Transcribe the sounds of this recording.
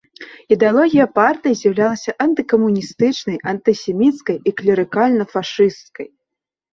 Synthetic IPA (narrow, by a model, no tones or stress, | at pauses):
id̪ɛalˠɔɣʲijɐpart̪ɨjzʲjɐwlʲalˠɐsʲɐʔɐnt̪ɨkɐmunʲist̪ɨt͡ʂnɐjʔɐnt̪ɨsʲɛmʲit̪skɐjiklʲɐɾɨkalʲnɐfaʂɨst̪kɐ̰j